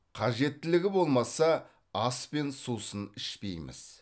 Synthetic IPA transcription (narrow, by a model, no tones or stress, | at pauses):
qʰɑʒe̞t̪ːɪlɪɡʲɪbo̞lˠmɑsɑ | ɑspe̞nsusənɪʃpe̞̰jmɪ̰z̥